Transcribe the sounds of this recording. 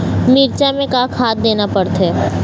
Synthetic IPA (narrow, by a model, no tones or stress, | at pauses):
miɾt͡ʃamẽkakʰaːt̪̚d̪eːnapɐɽt̪ɦɛː